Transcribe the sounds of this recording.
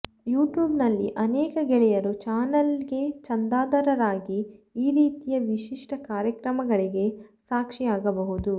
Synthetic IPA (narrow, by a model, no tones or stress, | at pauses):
juːʈjuːbnɐlːiʔɐnɛːkɐɡɛɭɛjɐɾut͡ʃaːnɐlɡe̞t͡ʃɐnd̪aːd̪ɐɾɐɾaːɡiiːɾiːt̪ijɐʋiʃiʂʈɐkaːɾjɐkɾɐmɐɡɐɭiɡe̞saːkʂijaːɡɐbɐɦud̪u